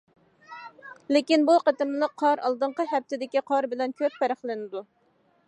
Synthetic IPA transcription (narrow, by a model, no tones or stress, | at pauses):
lɪkʲinbuqət̪ɪmlˠəqʰːɑɾɑ̰lˠd̪əɴqəɦɛp̚t̪ʰɪd̪ɪkʲiqʰɑɾbɪlɛnkʲʰøpːɛɾəχlˠɪnɪd̪u